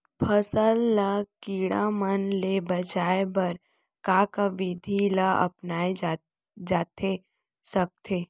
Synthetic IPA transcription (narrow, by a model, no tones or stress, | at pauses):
pʰəsəlːakiːɽamənlebət͡ʃaːebɐɾ | kaːkaʋɪd̪ʱilaʔɐ̰pnaːe | d͡ʒaːt̪ʰe | sək̚t̪ʰeː